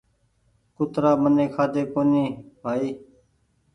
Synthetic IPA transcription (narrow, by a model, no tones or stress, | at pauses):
kʊt̪ɾaːməneːkʰaːd̪eːkoːniːbʱaːiː